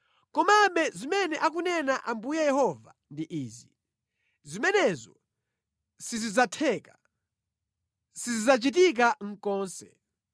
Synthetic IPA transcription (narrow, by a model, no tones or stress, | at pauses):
kɔmaɓɛzimɛnɛʔak̬unɛnaʔambujajɛhɔva̰ | ndiʔiːzi | zimɛnɛzɔ | sizizatʰɛːkḁ | sizizat͡ʃit̬ik̬aŋ̩kɔːnsɛ̰